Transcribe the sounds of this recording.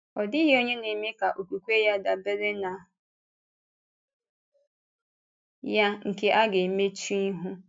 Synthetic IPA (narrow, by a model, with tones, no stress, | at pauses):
ɔ˨dɪ˦ɦe˦o˦ɲe˦ne˨me˦ka˨ʔo˨ku˨kʷe˦ja˦da˨be˦ɾe˦na˨ | ja˦ŋ̩˨ke˨ʔa˦ɡe˨me˦t͡ʃu˦i˦ɦu˦